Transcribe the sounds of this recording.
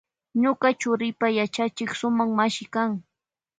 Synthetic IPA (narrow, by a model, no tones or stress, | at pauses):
ɲokat͡ʃʊɾɪpajat͡ʃat͡ʃɪksʊmaŋmaʃɪkaŋ